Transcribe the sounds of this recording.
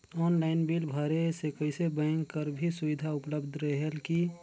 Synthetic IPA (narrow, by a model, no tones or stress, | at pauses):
ɔːnlaɪnbilbʱəɾesekəɪsebə̃ŋkkːəɾbʱisʊʋɪd̪ʱaʊpləbd̪ʱɾəɦeɦelki